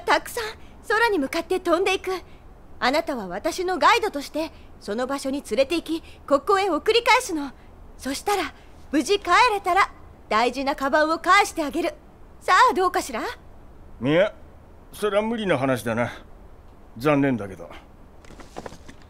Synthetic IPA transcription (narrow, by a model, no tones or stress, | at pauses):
t̪akɯ̟̥sãɰ̃ | so̞ɾaɲ̟imɯ̟kat̪ːe̞t̪õ̞nd̪e̞ikɯ̟ | anat̪aβaβat̪aɕino̞ɡaid̪o̞t̪o̞ɕi̥t̪e̞ | so̞no̞baɕo̞ɲ̟it͡sɨɾe̞t̪e̞ikʲiko̞koːẽo̞kɯ̟ɾʲikaesɨno̞ | so̞ɕi̥t̪aɾa | b̥ɯ̟ʑikaeɾe̞t̪aɾa | d̪̥aiʑinakabãɰ̃o̞kaeɕi̥t̪e̞aɡe̞ɾɯ̟ | sad̪o̞ːkaɕiɾa | mia | so̞ɾeamɯ̟ɾʲinoɦanaɕ̬id̪ana | d͡zãnːẽ̞nd̪ake̞d̪o̰